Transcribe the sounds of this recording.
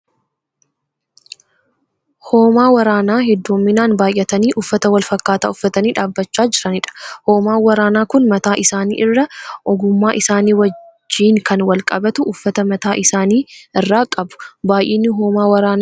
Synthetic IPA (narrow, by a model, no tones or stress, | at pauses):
ho̞ːmaːwɐɾaːnaːhɛd̪ːuːmːɪnaːnbaːjʔːɐt̪ɐniːʔʊfːɐt̪ɐwɐlfɐkːaːt̪a̰ːʊfːɐt̪ɐniːᶑaːbːɐt͡ʃːaːd͡ʒɪɾɐnɪᶑɐ̥ho̞ːmaːwɐɾaːnaːkʊnmɐt̪aːʔɪsaːnḭːʔɪrːɐʔɔɡʊmːaːʔɪsaːniːwɐd͡ʒːiːŋkɐnwɐlkʼɐbɐt̪ʊʔːfːɐt̪ɐmɐt̪aːʔɪsaːniːɪrːaːkʼɐbʊ̥baːjʔeːnːɪɦoːmaːwɐɾaːn